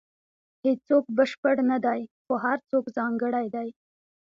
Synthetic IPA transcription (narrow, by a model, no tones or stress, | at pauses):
hed͡ʒt͡sokbəʃpəɽnad̪ajxoɦaɾt͡sokzɑŋɡəɽajd̪aj